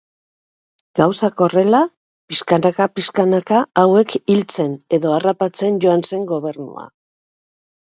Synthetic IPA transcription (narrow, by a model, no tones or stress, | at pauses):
ɡ̥awsako̞re̞la | piskanakapiskanakaawe̞kilt͡se̞ne̞ðo̞arapat͡se̞nɟo̞anse̞ŋɡo̞βe̞ɾnṵa̰